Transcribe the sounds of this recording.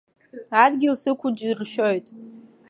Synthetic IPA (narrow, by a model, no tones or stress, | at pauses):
adɡʲɪlsɨkʷʰʊd͡ʒrʃojtʼ